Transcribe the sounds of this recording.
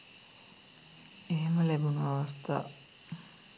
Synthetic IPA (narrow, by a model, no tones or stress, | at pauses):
eɦeməlæbunuʋaʋast̪a̰ː